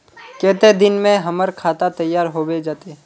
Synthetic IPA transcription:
keːt̪ed̪ɪnmẽɦɐməɾkʰaːt̪at̪ɐjːaːɾɦobed͡ʒaːt̪e

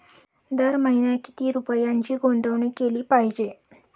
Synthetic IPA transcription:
d̪əɾməɦinjaki̥t̪iːɾupəjaɲt͡ɕiːɡond̪ʱəʋɳiːkeliːpaɦid͡ʑe

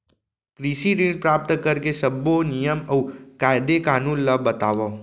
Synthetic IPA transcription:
kɾiʃiɾiɳpɾap̚t̪əkəɾkeʃəbːonijəməwkajd̪ekanũnːəbət̪aʋo

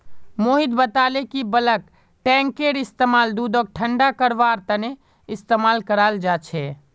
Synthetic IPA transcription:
moːɦɪd̪bət̪aːlekibələk | ʈɛ̃ːŋkeɾɪst̪eːmaːld̪uːd̪ɔːɡ̚ʈʰəɳɖakəɾʋaːɾt̪əne | ɪst̪eːmaːlkəɾaːld͡ʒaːt͡ʃʰɛː

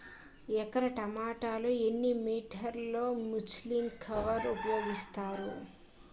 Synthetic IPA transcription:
ɛkɐɾɐʈɐmaːʈaːloːenːimiːʈʰɐɾlo̞ːmusliːmkʰɐʋɐɾupɐjo̞ːɡist̪aːɾu

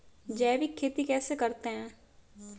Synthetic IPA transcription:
d͡ʒɛːʋikʰːeːt̪ikɛːsekɐɾt̪eɦɛ̃ː

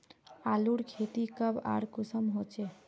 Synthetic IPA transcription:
aluɽkʰet̪ikəba̰ɽkusəmɦot͡ʃe

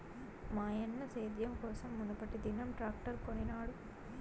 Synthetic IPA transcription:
maːjɐnːɐseːd̪jɐmkoːsɐmːunɐpːɐʈːid̪inɐmʈɾaːk̚ʈɐɾkoɳinaːɽu

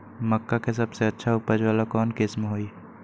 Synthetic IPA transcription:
məkːakes̬ɐbseɐtːʃʰaʊpəd͡ʒʋaːlakɔːnkɪsmɦoːi

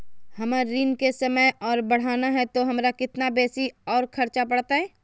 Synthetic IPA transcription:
hɐmaɾiːnkesɐməjɔːɾbɐɽ̤aːnaɦɛt̪oɦɐmɾakɪt̪nabɛːsiɔːɾkʰɐɾt͡ʃapɐɽ̤t̪aɦɛː

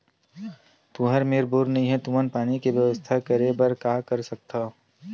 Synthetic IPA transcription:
t̪uɦəɾmeːɾbuːɾnəɦĩɦɛt̪umənpaːnikeʋjɐʋəst̪ʰakəɾebɐɾkaːkɐɾsɐk̚t̪aː

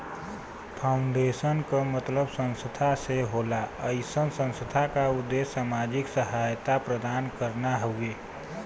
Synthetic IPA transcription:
pʰaʊɳɖesənkəmət̪ləbsə̃nsəd̪ʱaseɦolaəɪsənsə̃nsəd̪ʱakaʊd̪ːesːaːmad͡ʒɪksəɦajt̪apɾəd̪aːnkəɾnaɦəue

